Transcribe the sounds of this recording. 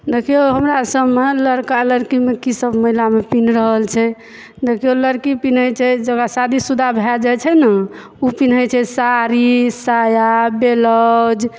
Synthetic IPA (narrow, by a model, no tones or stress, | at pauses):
d̪ekʰijoɦəmɾasəbmeləɾkaləɾkimekisəbməɦilamepinɾəɦəlt͡ʃʰɛ | d̪ekʰijoləɾkipin̤əjt͡ʃʰɛd͡ʒəɡasad̪isud̪ʱabʱɛd͡ʒat͡ʃʰɛna | upin̤əjt͡ʃʰɛsaɾisajabeləd͡ʒ